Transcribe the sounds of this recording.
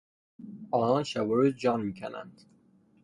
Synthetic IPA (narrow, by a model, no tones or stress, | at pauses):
ɒːnɒːnʃævoɾed͡ʒɒːnmiːcʰænæ̰nd̪̥